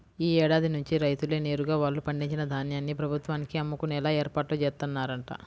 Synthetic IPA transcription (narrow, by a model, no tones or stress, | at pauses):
iːɛːɽaːd̪inuɲt͡ʃiɾɐjt̪ule̞ːne̞ːɾuɡaːʋaːɭːupɐɳɖiɲt͡ʃinɐd̪ʱaːnjaːnːipɾɐbʱut̪ʋaːnikiɐmːukunɛlaːeːɾpaːʈlut͡ʃɛːst̪ɐnːaːɾɐɳʈa̰